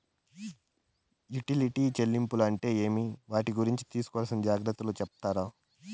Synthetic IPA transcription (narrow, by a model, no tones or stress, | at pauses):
juʈiliʈiːt͡ʃelːimpuluɐɳʈe̞ːe̞ːmiʋaːʈiɡuɾiɲt͡ʃi̥t̪iːsu̥kɔʋalsɐnd͡ʒaːɡɾɐt̪ːuloːt͡ʃɛpɐt̪aːɾaː